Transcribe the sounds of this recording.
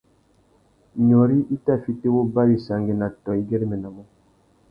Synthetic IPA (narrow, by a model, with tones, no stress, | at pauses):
ɲɔ˨ɾi˦ʔi˦ta˦˨fi˦te˦wo˦ba˦wi˨sa˨ŋɡe˨na˨tɔ˨i˦ɡe˦ɾi˦mɛ˨na˨mɔ˦